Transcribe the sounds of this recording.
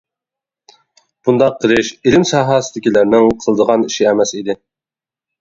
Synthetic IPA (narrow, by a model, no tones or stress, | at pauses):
b̥und̪ɑqʰːəɾɪʃilɪmsɑːɦɑsɨd̪ɪkʲilæɾnɪŋqʰəlˠəd̪əʁɑniʃiɛmɛsid̪ɪ